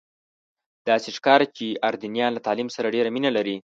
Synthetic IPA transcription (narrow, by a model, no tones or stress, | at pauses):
d̪̥ɑseʂkɑɾat͡ʃeʔaɾd̪inijɑnlat̪ɑlimsaɾaɖeɾaminalaɾi